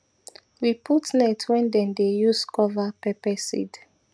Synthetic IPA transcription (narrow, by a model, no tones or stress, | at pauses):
wiputnɛtʰwɛ̃ndɛ̃ndejuskɔvapɛpɛsḭd